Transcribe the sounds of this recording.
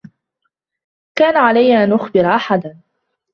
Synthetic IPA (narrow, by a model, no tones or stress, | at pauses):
kaːnaʕalajːaʔanʔʊxbɪɾʔaħad̪an